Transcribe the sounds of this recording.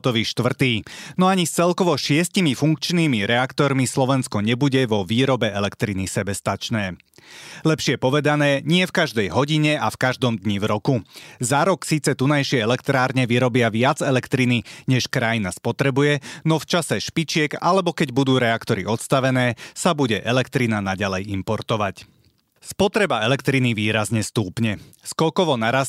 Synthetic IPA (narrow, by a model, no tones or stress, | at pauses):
t̪ɔʋiːʃt̪ʋr̩t̪iːnɔaɲist͡sɛlkɔʋɔʃɪɛscimifuŋkt͡ʃniːmiɾɛakt̪ɔɾmislɔʋɛnskɔɲɛbuɟɛʋɔʋiːɾɔbɛɛlɛkt̪ɾinisɛbɛst̪at͡ʃnɛː | lɛpʃɪɛpɔʋɛd̪anɛːɲɪɛfkaʒd̪ɛjɦɔɟiɲɛafkaʒd̪ɔmd̪ɲivɾɔkuzaɾɔksiːt͡sɛt̪unajʃɪɛɛlɛkt̪ɾaːɾɲɛʋiɾɔbɪaʋɪad͡zɛlɛkt̪ɾiniɲɛʃkɾajinaspɔt̪ɾɛbujɛnɔft͡ʃasɛʃpit͡ʃɪɛɡalɛbɔkɛɟbud̪uːɾɛakt̪ɔɾḭɔt̪st̪aʋɛnɛːsabuɟɛʔɛlɛkt̪ɾinanaɟalɛjimpɔɾt̪ɔʋac | spɔt̪ɾɛbaɛlɛkt̪ɾiniʋiːɾazɲɛst̪uːpɲɛ | skɔkɔʋɔnaɾas